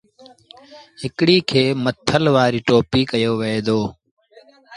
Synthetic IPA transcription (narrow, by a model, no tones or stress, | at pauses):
ɦɪkɽiːkʰeːmət̪ʰəlʋaːɾiːʈoːpiːkəjoːʋeeːd̪oː